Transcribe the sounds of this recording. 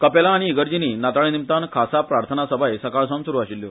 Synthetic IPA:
kəpelaːɽ̃iːɡəɾd͡ʑiniːnat̪aɭinimt̪ankʰasapɾaɾt̪ʰənasəbʱajsəkaɭsə̃nsuɾuːaɕilːjo

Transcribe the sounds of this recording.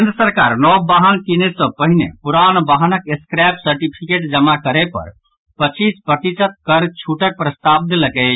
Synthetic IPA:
kend̪ɾəsəɾkaɾnɔbaɦənkinesə̃pəɦinḛpuɾanbaɦənəkeskɾapsəɾʈipʰikeʈd͡ʒəmakəɾepə̰ɾ | pət͡ʃispɾət̪it͡ʃət̪̚kəɾt͡ʃʰuʈək̚pɾəst̪ab̚d̪eləkɛt͡ʃʰ

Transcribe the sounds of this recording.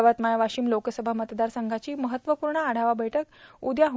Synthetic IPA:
ʋat̪majaʋaɕiːmlokəsəbʱamət̪d̪aɾsəŋɡʱat͡ɕiːməɦət̪ʋəpuːɾɳəaɽ̤aʋabʱəʈək̚ud̪jaɦ

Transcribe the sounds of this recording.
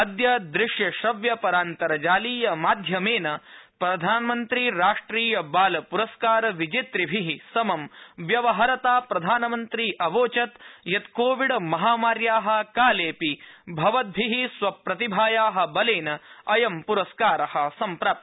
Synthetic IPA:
ɐd̪jɐd̪ɾɪʂjɐʃɐʋjɐpɐɾaːnt̪ɐɾɐd͡ʒaːliːjɐmaːd̪ʱjɐmeːnɐpɾɐd̪ʱaːnɐmɐnt̪ɾiɾaːʂʈɾiːjɐbaːlɐpuɾɐskaːɾɐʋid͡ʒit̪ɾibʱiɦisɐmɐmʋjɐʋɐɦɐɾɐt̪aːpɾɐd̪ʱaːnɐmɐnt̪ɾiːʔɐʋoːt͡ʃɐt̪jɐt̪koːʋiɽɐmɐɦaːmaːɾjaːɦɐ̆kaːleːpibʱɐʋɐt̪̚bʱiɦisʋɐpɾɐt̪ibʱaːjaːɦɐ̆bɐleːnɐɐjɐmpuɾɐskaːɾɐhɐ̆sɐmpɾaːp̪̚

